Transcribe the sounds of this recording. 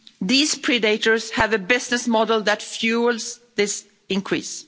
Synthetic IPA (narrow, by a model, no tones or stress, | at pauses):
ðiːz̥pʰɹ̥ɪdeɪɾə˞z̥hævɨbɪznɨsmɔdl̩ˠðɨtfjulˠzðɪs | ɪ̃nkʰɹ̥ḭs